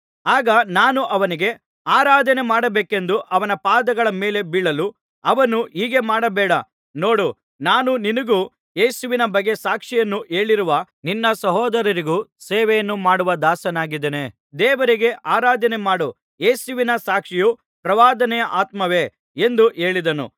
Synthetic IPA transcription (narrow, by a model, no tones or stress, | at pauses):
aːɡɐnaːnuʔɐʋɐniɡe̞ | aːɾaːd̪ʱɐnemaːɽɐbeːke̞nd̪uʔɐʋɐnɐpaːd̪ɐɡɐɭɐme̞ːle̞biɭɐlu | ɐʋɐnuiːɡe̞maːɽɐbɛːɽɐ | no̞ːɽu | naːnuninɐɡuː | jeːsuʋinɐbɐɡːe̞saːkʂijɐnːuʔe̞ːɭiɾuʋɐ | ninːɐsɐɦɔːd̪ɐɾɐɾiɡuːseːʋɛjɐnːumaːɽuʋɐd̪aːsɐnaːɡid̪ene | d̪eːʋɐɾiɡe̞ʔaːɾaːd̪ʱɐne̞maːɽo | je̞ːsuʋinɐsaːkʂiju | pɾɐʋaːd̪ɐnɛjɐʔaːt̪mɐʋe̞ | end̪uʔe̞ːɭid̪ɐnṵ